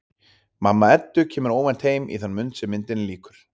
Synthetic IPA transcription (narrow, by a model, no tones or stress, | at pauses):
mamːaɛt̪ːʏcʰɛːmʏɾoːwvɛnt̪heːjmḭθanːmʏnt̪sɛmːɪnt̪ɪnliːkʏɾ̥